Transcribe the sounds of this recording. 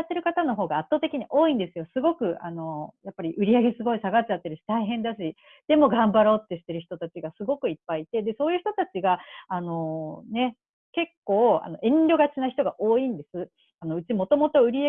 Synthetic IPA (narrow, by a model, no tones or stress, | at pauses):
at̪ːe̞ɾɯ̟kat̪ano̞ɦo̞ːɡaːt̪ːo̞ːt̪e̞kʲiɲ̟iʔo̞ːĩnd̪e̞sɨjo̞sɨɡo̞kɯ̟ʔano̞japːaɾʲiʔɯ̟ɾʲiaɡe̞sɨɡo̞isaɡat͡ɕat̪ːeɾɕi̥t̪aiɦẽ̞nd̪aɕ̬i | d̪̥e̞mo̞ɡãmbaɾo̞ːt̪ːe̞ɕi̥t̪e̞ɾɯ̟çi̥t̪o̞t̪at͡ɕiɡasɨɡo̞kɯ̟ipːait̪e̞d̪e̞so̞ːjɯ̟çi̥t̪o̞t̪at͡ɕiɡaano̞ne̞ | ke̞kːo̞ːa̰no̞ʔẽ̞ɲɾʲo̞ɡat͡ɕinaçi̥t̪o̞ɡaʔoːĩnd̪e̞sɨ | ano̞ɯ̟t͡ɕimo̞t̪o̞mo̞t̪o̞ɯ̟ɾʲia